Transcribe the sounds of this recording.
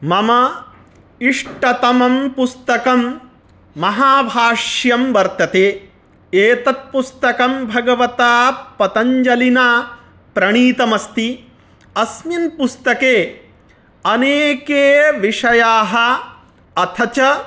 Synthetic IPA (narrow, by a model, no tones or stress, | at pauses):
mɐmɐ | iʂʈɐt̪ɐmɐmpust̪ɐkɐmː | ɐɦaːbʱaːʂjɐmʋɐɾt̪ɐt̪eː | eːt̪ɐt̪̚pust̪ɐkɐmbʱɐɡɐʋɐt̪aːpɐt̪ɐɲd͡ʒɐlinaː | pɾɐɳ̃iːt̪ɐmɐst̪i | ɐsminpust̪ɐkeː | ɐneːkeːʋiʂɐjaːɦɐ̆ | ɐt̪ʰɐt͡ʃɐ